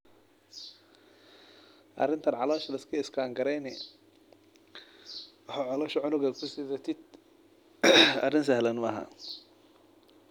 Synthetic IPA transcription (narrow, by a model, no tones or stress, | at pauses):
ʔɐ̰rɪnt̪ʰɐnʕɑlɔːʃɐlɪskʰɐɪskʰaːŋɡɐɾɛnɛ | wɑħaʕɔlɔːʃɐʕʊnʊɡɐkʰʊsɪðɐt̪ʰɪd̪̚ | ɐ̰rɪns̬ɐɦlɐnmɐɦa̰